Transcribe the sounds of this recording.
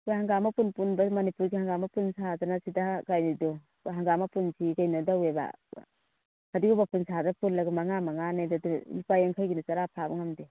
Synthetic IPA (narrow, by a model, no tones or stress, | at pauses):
ɡihaŋɡamapunpunbamɐnipuɾɡihaŋɡamapunsazanasidaɡajnidɔ | ɦaŋɡamapunsʰiɡajnɔdaweba̰ | kadiɡɔbapunsʰazapunlaɡamaŋamaŋanajdadunipajaŋkʰajɡinat͡ʃaɾapʰabaŋamde